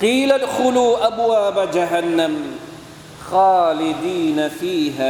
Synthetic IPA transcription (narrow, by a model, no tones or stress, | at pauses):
qiːlad̪xʊluːʔabwaːbad͡ʒaɦanːam | xaːlɪd̪iːnafiːɦaː